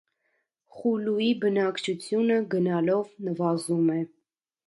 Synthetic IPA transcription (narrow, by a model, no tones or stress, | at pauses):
χulujibənɑkt͡ʃʰut͡sʰjunəɡənɑlɔvnəvɑzumɛ